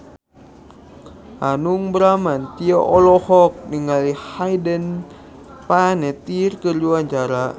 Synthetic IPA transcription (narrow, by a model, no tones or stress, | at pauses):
anuŋbɾamant̪iɔʔɔlɔhɔk̚niŋalihajdən | panɛt̪irkərluaɲt͡ʃaɾa